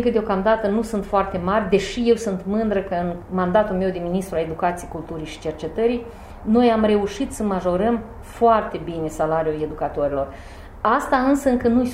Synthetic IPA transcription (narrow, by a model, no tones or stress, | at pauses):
ŋkəd̪eokamd̪at̪ənusunt̪foart̪e̞marʲd̪e̞ʃije̞wsunt̪mɨnd̪ɾəkəɨnmand̪at̪ulme̞wd̪e̞minist̪ɾuale̞d̪ukat̪sijejkult̪uɾijʃi̥t͡ʃe̞rt͡ʃe̞t̪əɾij | no̞jamre̞uʃit̪səmaʒo̞ɾəm | foart̪e̞bine̞salaɾjue̞d̪ukat̪o̞ɾilo̞r | ast̪aɨnsəɨŋkənuj